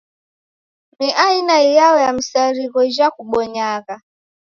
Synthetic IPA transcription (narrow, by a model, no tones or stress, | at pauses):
niʔainaijaɔjam̩saɾiɣɔʒakuɓɔɲaɣa